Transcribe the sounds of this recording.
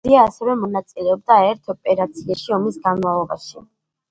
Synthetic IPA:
iaːsɛvɛmɔnat̪sʼilɛɔb̚d̪aɛɾt̪ʰɔpʼɛɾat̪sʰiaʃiɔmisɡanmalˠɔba̰ʃi

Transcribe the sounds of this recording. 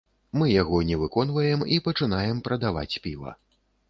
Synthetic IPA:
mɨjaɣɔnʲɛvɨkɔnvɐjɛmipɐt͡ʂɨn̪ajɛmpɾɐd̪ava̰t͡sʲpʲivɐ̰

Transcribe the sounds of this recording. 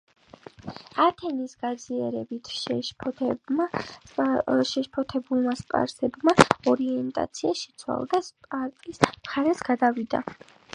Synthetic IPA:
at̪ʰɛnisɡ̥ad̪ziaɾɛbit̪ʰʃɛʃp̪ʰ | ʃɛʃpʰɔt̪ʰɛbulˠmaspʼa̰ɾsɛbmaɔɾiɛnt̪ʼa̰t̪sʰiaʃɛ̥t̪sʰwa̰lˠd̪aspʼaɾt̪ʼismχaɾɛsɡ̥ad̪avid̪a̰

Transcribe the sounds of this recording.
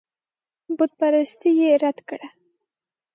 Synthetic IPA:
bʊd̪̚paɾast̪ijeɾad̪kɽa

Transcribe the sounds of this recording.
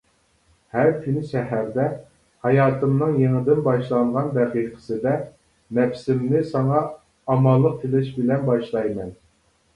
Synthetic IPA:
hæɾt̪ʰɪnɪʃɛɦæɾd̪ɛ | hɑjɑːt̪ʰɨmnɨŋjeŋɪd̪ɪnbɑʃlˠɑɴʁɑnbæqiːqʰə̥sɨd̪ɛ | nɛpsɪmnɪsɑŋɑː | mɑlˠːəq̚t̪ʰɪlɪʃbɪlɛnbɑʃlˠɑjmɛn

